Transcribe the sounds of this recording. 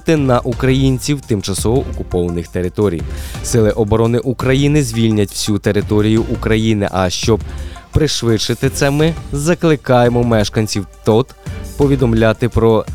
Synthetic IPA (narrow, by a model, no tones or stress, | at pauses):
t̪ɪnɐʔukɾɐjinʲt͡sʲiwt̪ɪmt͡ʃɐsɔʋɔʔɔkʊpɔʋɐnɪxt̪e̞ɾɪt̪ɔɾʲḭjsɪlˠɪʔɔbɔɾɔnɪʔukɾɐjinɪzʲʋʲilʲnʲɐtʲw̥sʲut̪eɾɪt̪ɔɾʲijʊʔukɾɐjinɪ̰ʔɐʃt͡ʃɔb̚pɾɪʃʋɪt͡ʃɪt̪ɪt̪sɛmɪzɐklˠɪkɑjemɔmɛʃkɐnʲsʲiwt̪ɔt̪pɔʋʲid̪ɔmlʲat̪ɪpɾɔ